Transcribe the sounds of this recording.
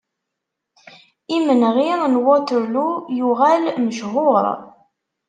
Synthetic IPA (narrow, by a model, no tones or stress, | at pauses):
imənʁiɾnwɔt̪əɾlujuʁælməʃɦʊɾˤ